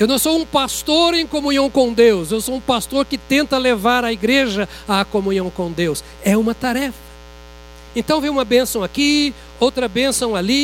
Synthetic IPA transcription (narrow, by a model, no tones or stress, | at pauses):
ewnɐ̃w̃sowũpast̪oɾẽj̃komũɲĩɐ̃w̃kõw̃d̪ewsewsowũpast̪oɾkɪt̪ẽnt̪ɐlevaɾɐiɡɾeʒɐ | akomũɲiɐ̃w̃kõd̪ews | ɛũmɐt̪aɾɛfɐ̥ | ẽnt̪ɐ̃w̃veũmɐbẽsɐ̃w̃aki | owt̪ɾɐbẽsɐ̃w̃ali